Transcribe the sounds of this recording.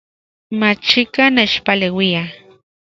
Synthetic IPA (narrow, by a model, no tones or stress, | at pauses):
mat͡ʃikanet͡ʃpalewia